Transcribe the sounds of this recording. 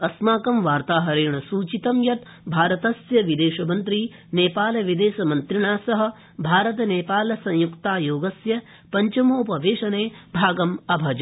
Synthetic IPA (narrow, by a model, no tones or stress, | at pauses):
ɐsmaːkɐmʋaːɾt̪aːɦɐɾeːɳɐsuːt͡ʃit̪ɐmjɐt̪ | bʱaːɾɐt̪ɐsjɐʋid̪eːʃɐmɐnt̪ɾiːneːpaːlɐʋid̪eːʃɐmɐnt̪ɾiɳaːsɐɦɐ̆ | bʱaːɾɐt̪̬ɐneːpaːlɐsɐ̃ŋjukt̪aːjoːɡɐsjɐ | pɐɲt͡ʃɐmoːpɐʋeːʂɐneːbʱaːɡɐmɐbʱɐd͡ʒɐ